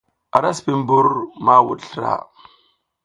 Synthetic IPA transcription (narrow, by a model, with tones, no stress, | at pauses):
a˨ɾa˦spi˨m˦bu˦ɾma˦wṵ˨tɬɾa̰˦˨